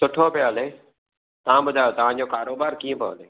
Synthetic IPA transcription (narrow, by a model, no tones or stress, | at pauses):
sʊʈʰopeoəleː | t̪ɐʋãbʊd̪ʱaːjoːt̪ɐʋ̤ãd͡ʑoːkaːɾoːbaːɾkiːə̃pːleː